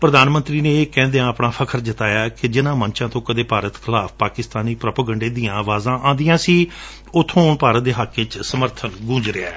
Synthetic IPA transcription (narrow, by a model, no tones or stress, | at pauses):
pɾəd̪aːnmənt̪ɾiːneːeːkɛ̃ːnd̪eãːəpɳaːpʰəkʰəɾd̪ɪt̪aːjaːkɪd͡ʒɪnãːmənt͡ʃãːt̪õːkəd̪eːpaːɾət̪kʰɪlaːpʰpaːkɪst̪aːniːpɾəpəɡə̃ɳɖeːd̪ĩːãːʋaːzãːʔãːnd̪ijãːsiː | ʊt̪ʰːõːʊnpaːɾət̪̚d̪eːɦəkːɪt͡ʃsəməɾt̪ʰənɡũːɲd͡ʒɾea̰ː